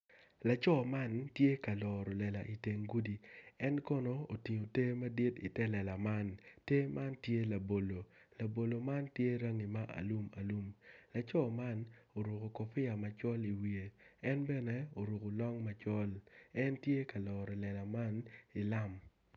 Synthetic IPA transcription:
la˨t͡ʃɔ˦ma˦ntje˦ka˨lɔ˨ɾɔ˨lɛ˨la˨ʔi˨te˨ŋɡu˦di˨ɛ˦nkɔ˦no˦o˨ti˨ɲo˨te˦ma˦di˦tḭ˨tɛ˦lɛ˨la˨ma˦nte˦mʔa˦ntje˦la˨bo˨lo˨ | la˨bo˨lo˨ma˦ntje˦ɾa˦ŋi˨ma˦ʔa̰˨lu˦ma̰˨lu˦mla˨t͡ʃɔ˦ma˦no˨ɾu˨ko˨kɔ˨fɪ˦a˨ma˨t͡ʃɔ˦li˨wi˨e˨ɛ˦nbɛ˦nɛ˦o˨ɾu˨ko˨lɔ˦ŋma˨˦t͡ʃɔ˦lɛ˦ntje˦ka˨lɔː˨ɾɔ˨lɛ˨la˨ma˦ni˨la˦m

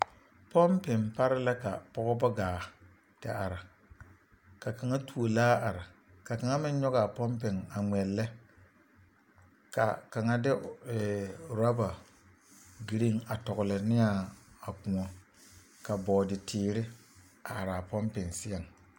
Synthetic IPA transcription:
pɔ˦mpɪ˨npa˦ɾɪ˦la˦ka˨pɔ˦ɣɔ˦ba˦ɡaː˨ | tɪ̰˨ʔa˨ɾa˨ | ka˨ka˨ŋa˦tu˨o˨laː˦a˨ɾa˨ | ka˨ka˨ŋa˦mɪ˦n˦ɲɔ˦ɣa˨pɔ˦mpɪ˨ŋa˨ŋɛ˨lːɛ˦ | ka̰˨ka˨ŋa˦dɪ˦ɛ˨ɾa˦ba˨ | ɡi˨ɾi˦ŋa˨tɔ˨ɣʊ˨lɪ˨nɪ˦a˦a˨ku˨ɔ˨ | ka˨bɔː˨dɪ˨tʰɪː˨ɾɪ˦ | a˨a˨ɾa˨pɔ˦mpɪ˨nsɪ˦ɛ˨ŋ

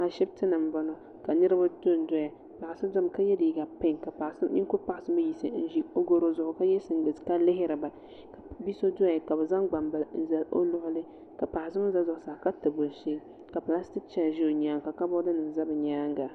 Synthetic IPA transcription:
a˨ʃɛ˦btɨ˦nɨ˨m̩˨ba˨˦nɔ˨ | ka˨nɨ˦ɾɨ˦ba˦to˦˨n˦dɔ˦ja˨ | pa˨ʔa˨sɨ˦dɔ˦m˨ka˦jɛ˦di˨i˨ɡa˨pa˦˨ŋka˨pa˨sni˦kʊ˦pa˨ʔa˨sɨ˦ma˦ji˨sɨ˨˦n̩˦ʒi˦o˦ɡo˦ɾo˦zʊ˨ʔʊ˨ka˦jɛ˦sɨ˨n˦ɡɨ˨ska˦lɪ˦ɦɪ˦ɾɨ˨ba˨ | ka˨bi˦so˦dɔ˦a˨ka˨bɛ˨za˦ŋɡ͡ba˨mba˨n̩˦za˦o̰˦lʊ˦ʔʊ˦lɨ˦ | ka˨pa˨ʔa˨sɨ˦ma˦za˦zʊ˨ʔsaː˨ka˦tɨ˨bʊ˨ʃi˦ | ka˨pla˦stɪ˦k̚t͡ʃɛ˦˨ʒɪ˦o˨ɲaː˦ŋ˨ka˨ka˦bʊ˦dɨ˦nɨ˨za˦bɨ˨ɲaː˦ŋ˦ɡa˨

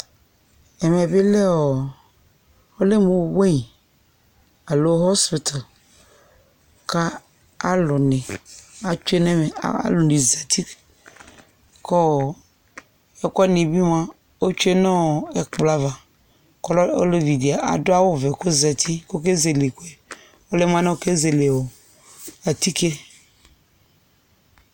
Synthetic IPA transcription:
ɛ˨mɛ˨be˦le˦ɔ˨ | o˦le˦mũ˨˦we˦i˨ | a˨lo˦ɦɔ˦spi˨t̪ʰa˨ | ka˦ | a˦lʊ˨nẽ˨a˨t͡ʃu˦e˦nẽ˦mḛ˨a̰˦lʊ˨nĩ˨zɛ˨t̪i˦ | kɔ˦˨ | e˦kɔ˦nĩ˨bi˦mã˦ | wo˦t͡ʃu˦e˦nɔ̃˦˨ɛ˨k͡pla˨va˨ | kɔ˦lo̰˦le˦vi˨di˨a˨ʔa̰˨do˦a˦wo˦ve˨ko˦zɛ˨t̪ʰi˦ko˦ke˦ze˨le˨ku˦ɛ˨ | o˦le˦m˦ã˦nã˦o˦˨ke˦ze˨le˨wo˨ | a˨t̪i˦ke˦

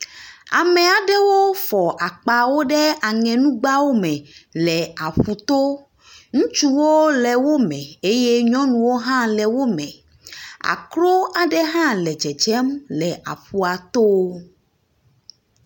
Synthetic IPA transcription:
a̰˨mɛ˨a˨ɖɛ˦wo˦fɔ˨ʔa˨k͡pa˨wo˦ɖɛ˦a˨ŋɛ̃˨nũ˦ɡ͡ba˦wo˦mɛ̃˨lɛ˨a˨ɸu˨t̪o˦ | ŋũ˦t͡ʃu˦wo˦lɛ˨wo˦mɛ̃˨e˦je˦ɲɔ̃˦nũ˨wo˦ɦã˦lɛ˨wo˦mɛ̃˨ | a̰˨klo˦a˨ɖɛ˦ɦã˦lɛ˨d͡ʒɛ˨d͡ʒɛ˦mlɛ˨ʔa̰˨ɸu˨a˨t̪o˦

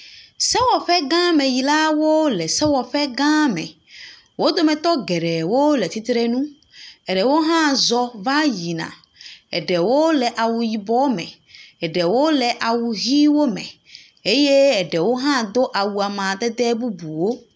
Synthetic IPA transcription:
sɛ˦wɔ˨ɸɛ˦ɡã˦mɛ̃˨ji˨la˦wo˦lɛ˨sɛ˦wɔ˨ɸɛ˦ɡã˦mɛ̰̃˨ | wo˦d̪o˦mɛ̃˨t̪ɔ˦ɡɛ˨ɖɛ˨wo˦lɛ˨t̪ʰi˦t̪ɾe˦nũ˦ | ɛ˨ɖɛ˨wo˦ɦã˦zɔ˨va˦ji˨nã̰˨ | ɛ̰˨ɖɛ˨wo˦lɛ˨ʔa˨wu˨ji˨bɔ˦mɛ̰̃˨ | ɛ˨ɖɛ˨wo˦lɛ˨ʔa˨wu˨ɦi˦wo˦mɛ̰̃˨ | e˦je˦ɛ˨ɖɛ˨wo˦ɦã˦d̪o˦ʔa˨wu˨a˨mã˨d̪ɛ˦d̪ɛ˦bu˦bu˨wo˦

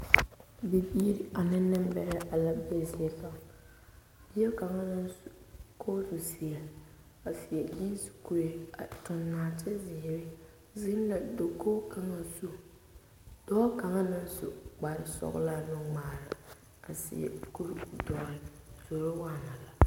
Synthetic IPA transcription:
bi˨biː˦ɾi˨a˨nɪ˦nːɪ˦mbɛ˨ɾɪ˦ʔa˨la˦be˦˨sɪ˨˦ɛ˦fa˨ | b̥i˦ɛ˦ka˨ŋa˦nɪ˦˨ | kʰoː˦zu˨si˨a˨ | a˨sɪ˨jɛ˨ji˦n˦si̥˨ku˨ɾe˦a˨tʊ˨nːaː˨t͡ʃɛ˦zɪ˨ɾɪ˦ | zɪ˦n˦la˨do˨kʰoː˦ka˨ŋa˦su˦ | d̥ɔː˦ka˨ŋa˦nɪ˦n˦sʊ̰˨k͡pa˨ɾɪ˦sɔ̰˦ɣ̰la˦nʊ˨ŋ͡maː˨ɾa˨ | a˨sɪ̰˨ɛ̰˨ku˦ɾdɔ˦ɾɪ˨z̥o˨ɾo˦waː˦˨na˨la˨

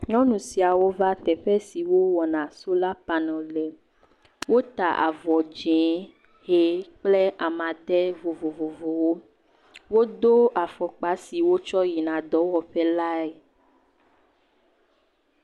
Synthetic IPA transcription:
ɲɔ̃˦nũ˨si˨a˨wo˦va˦t̪ɛ˨ɸɛ˦si˨wo˦wɔ˨nã˨so˦la˦pa˨nɔ̃˨lɛ˨ | wo˦t̪a˨ʔa̰˨vɔ˨d͡ʒɛ̃˨˦ | he˨˦k͡plɛ˦ʔa˨mã˨ɖ̪ɛ˦vo˨vo˨vo˨vo˨wo˦ | wo˦d̪o˦a˨fɔ˨k͡pa˦si˨wo˦t͡ʃɔ˦ji˨nã˨d̪ɔ˨˦wɔ˨ɸɛ˦la˦e˨

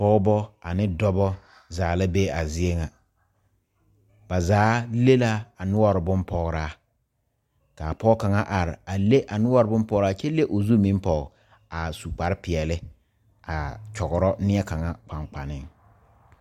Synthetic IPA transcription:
pɔ˦bɔ˦a˨nɪ˦dɔ˦bɔ˦ | zaː˨la˦be˦a˨zɪ˦e˦ŋa˨ | ba˨zaː˨˦le˦la˦a˨nʊ˦ɔ˦ɾɪ˨bʊ˦mpɔ˨ɣɾaː˦ | ka˨pɔ˦ka˨ŋa˦ʔa˨ɾɪ˨a˨le˦ʔa˨nʊ˦ɔ˦ɾɪ˨˦bʊ˦mpɔ˨˦ɾa˦t͡ʃɛ˦le˦ʔo˨zu˦mi˦m˦pɔ˦˨ | a˨su˨k͡pa˨ɾɪ˦pɪ˨ɛ˨lɪ˦ | a˨t͡ʃɔ˨ɣʊ˨ɾɔ˦nɪ˦ɛ˦ka˨ŋa˦k͡pa˨ŋk͡pa˨nɪ˦ŋ

